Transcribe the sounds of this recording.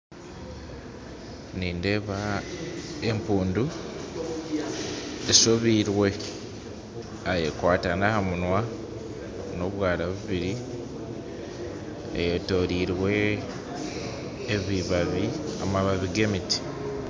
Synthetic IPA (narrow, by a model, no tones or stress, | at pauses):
niːnde̞βa | empuːndu | esoβiːɾwe̞ | ajḛkwaːtanahamunwa | no̞βwaːɾaβuβiɾi | ḛjeto̞ɾiːɾwe̞ | βiβaβiamaβaβiɡe̞miti̥